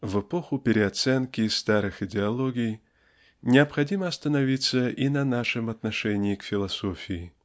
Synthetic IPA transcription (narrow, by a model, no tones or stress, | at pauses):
vɨpoxʊpʲɪɾʲɪɐt̪sɛnkʲɪsːt̪aɾɨxɪdʲɪɐlˠoɡʲɪj | nʲɪɐpxɐdʲiməɐst̪ənɐvʲit̪sːəʔinɐnaʂɨmɐt̪nɐʂɛnʲɪɪkfʲɪlˠɐsofʲɪɪ